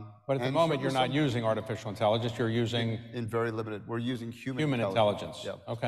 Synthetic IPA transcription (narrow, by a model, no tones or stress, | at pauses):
b̥ʌɾɨtðə̃mõʊ̃mɨ̃nt͡ʃjə˞nət̚jʉzɪ̃ŋɑɹɾɨfɪʃl̩ˠə̃ntʰɛlˠəd͡ʒɨ̃nsjə˞jʉzɪ̃ŋɨ̃nvɛɹilɪ̃məɾɨd̚wɪɹjʉzɪ̃ŋhjʉʉmɨnɨ̃tʰɛlˠəd͡ʒɨ̃nsjɛ̰oʊkʰe